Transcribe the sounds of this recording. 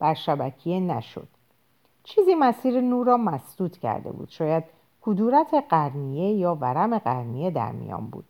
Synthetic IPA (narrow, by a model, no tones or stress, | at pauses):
b̥æɾʃæbæcʰijenæʃo̞̰d̪̥ | t͡ʃʰiːziːmæsiːɾenuːɾɒːmæsd̪̥uːt̪ʰcʰæ̰ɾd̪e̞̰bṵːd̪̥ʃɒːjæd̪̚ | kʰud̪uːɾæt̪ʰe̞ɢæɾnije̞jɒːvæɾæme̞ɢæɾnije̞d̪æ̰ɾmḭjɒ̰ːnbṵːd̪̥̚